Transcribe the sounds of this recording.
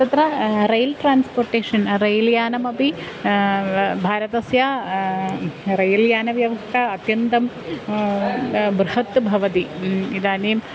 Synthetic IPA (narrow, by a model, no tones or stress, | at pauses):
t̪ɐt̪ɾɐrejlʈraːnsporʈːeːʂɐnrejljaːnɐmɐpi | bʱaːɾɐt̪ɐsjaː | rɐjɐljaːnɐʋjɐʋɐst̪ʰɐːt̪jɐnt̪ɐm | bɾɨhɐt̪ːbʱɐʋɐt̪iid̪aːneːm